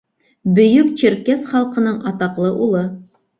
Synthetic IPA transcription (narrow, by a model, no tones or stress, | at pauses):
bɵ̆jɵkt͡ɕɘ̆ɾkæsχɑlˠqɤ̆nɤɴɑt̪ɑqlˠɤʔulˠɤ